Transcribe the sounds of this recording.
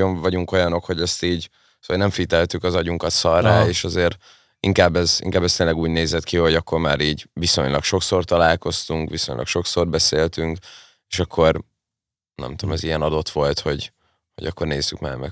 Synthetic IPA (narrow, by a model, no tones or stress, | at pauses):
oɱvɒɟuŋko̞jɒno̞kho̞ɟɛst̪iːɟ | sonɛɱfit̪ɛlt̪ykɒzɒɟuŋkɒt̪sɒrːaːeːʃɒzeːɾ | ḭŋkaːbːɛzḭŋkaːbːɛst̪eːnlɛɡuːɟneːzɛt̪kiho̞ɟɒkːo̞rmaːɾiːɟʋiso̞̰ɲlɒkʃo̞kso̞rt̪ɒlaːlko̞st̪uŋkʋiso̞̰ɲlɒ̰kʃo̞kso̞rbɛseːlt̪yŋk | e̥ːʃɒkʰːo̞ɾr | nɛ̰mt̪ud̪̰mɛzijɛnɒd̪o̞t̪ʋo̞lt̪ho̞ɟ | ho̞̰ɟɒkːo̞rneːzːykma̰ːrmɛ̰